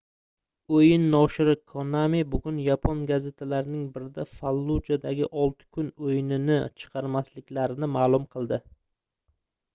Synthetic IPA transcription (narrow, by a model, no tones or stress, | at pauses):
ojɪnːɒʃɪɾɪkʰonamebʊɡʲʊnjapʰonɡaze̞t̪ʰalaɾɪnɪŋbɪɾɪd̪afalˠːud͡ʒad̪aɡʲɪʔɒlˠt̪ʰɪ̥kʰʊnojɪnɪnɪt͡ʃʰɨ̥qʰɑɾmaslɪkʲlaɾɪnɪmaːlˠʊmqʰɨlˠd̪ɪ